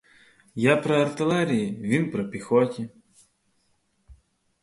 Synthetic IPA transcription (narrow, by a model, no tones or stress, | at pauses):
japɾɔɐrt̪ɪlˠɛɾʲijiʋʲinpɾɔpʲixɔtʲi